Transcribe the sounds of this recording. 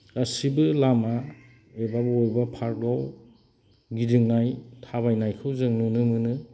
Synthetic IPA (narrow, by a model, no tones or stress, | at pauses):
ɐsibɯlama | ebabɯojbapʰaɾkaw | ɡidɯŋnajtʰaβajnajkʰɯwzɯŋnunɯmɯnɯ